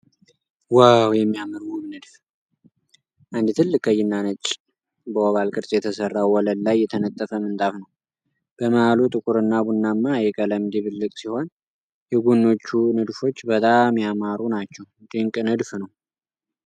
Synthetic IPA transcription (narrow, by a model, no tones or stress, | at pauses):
wawjɛmːijamɨɾwumnɨd̪f | ʔand̪t̪ʰɨlːɨkʼəjːɪnːanət͡ʃʼ | bəwɔβalkʼɨɾsʼjɛt̪ʰəsərːawwːɔləd̪lajːɛt̪ʰənət̪ʼːəfəmɨnt̪ʼafnəw | b̥əməhalut̪ʼɨkʼuɾɨnːabunːamːajɛkʼələmd̪iβɨlːɨkʼsiho̞n | jɛɡunːo̞t͡ʃːunɨd̪fo̞t͡ʃːbət̪ʼamjamaɾunat͡ʃːɛw | d̪ɨŋkʼnɨd̪fnəw